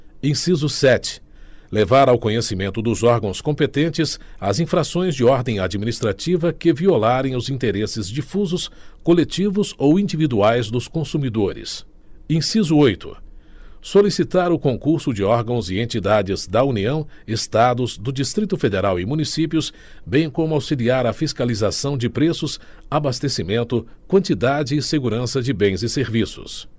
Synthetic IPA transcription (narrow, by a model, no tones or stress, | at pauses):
ẽsizʊsɛt͡ʃɪ̥ | levaɾawkõɲesimẽnt̪ʊd̪ʊzɔɾɡɐ̃w̃skõmpet̪ẽnt͡ʃɪzɐzĩfɾasõj̃zd͡ʒɪɔɾd̪ẽj̃ad͡ʒiminist̪ɾat͡ʃivɐkɪviolaɾẽj̃ʊzĩnt̪eɾesɪzd͡ʒifuzʊskolet͡ʃivʊzowĩd͡ʒivid̪uajzd̪ʊskõsumid̪oɾɪ̰s | ẽsizʊojt̪ʊ̰ | solisit̪aɾʊkõŋkuɾsʊd͡ʒɪɔɾɡɐ̃w̃zɪẽnt͡ʃid̪ad͡ʒɪzd̪ɐuniɐ̃w̃est̪ad̪ʊzd̪ʊd͡ʒist̪ɾit̪ʊfed̪eɾawɪmũnisipjʊs | bẽj̃kõmʊawsiliaɾɐfiskalizasɐ̃w̃d͡ʒɪpɾesʊs | abast̪esimẽnt̪ʊ | kwɐ̃nt͡ʃid̪ad͡ʒɪːseɡuɾɐ̃sɐd͡ʒɪbẽj̃zɪseɾvisʊ̰s